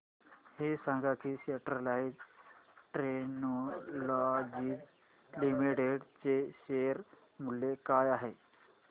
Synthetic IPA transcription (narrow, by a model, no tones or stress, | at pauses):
hesãŋɡakiseʈɾəlaid͡ʑ | ʈɾenolɔd͡ʑiːk | limiʈeɖt͡seɕeɾ | mulːekajaɦe